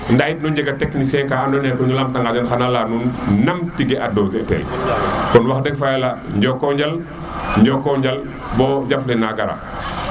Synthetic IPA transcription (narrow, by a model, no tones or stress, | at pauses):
ndajit̚nuɲd͡ʒɛɡɐtɛknisɛkaːanɔnɛkɔɲulamtaŋɡad͡ʒanxanalanunnɐmtiɡɛʔadɔzɛtɛ̰ːlkɔnwaxdɛkfajɛlaɲɟɔkːɔɲɟɐl | ɲɟɔkːɔɲɟɐl | bɔɟaflɛnaɡɐɾa̰